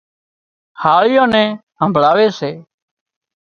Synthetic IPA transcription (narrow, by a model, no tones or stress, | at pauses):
haːɭɪjõːnɛ̃ː | ɦəmbʱɭaːʋeːseː